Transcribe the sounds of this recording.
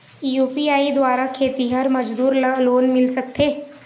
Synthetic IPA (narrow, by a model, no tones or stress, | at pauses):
juːpiaːid̪waːɾakʰeːt̪iɦɐɾmɐd͡ʒd̪uːɾloːnmɪlsɐk̚t̪eː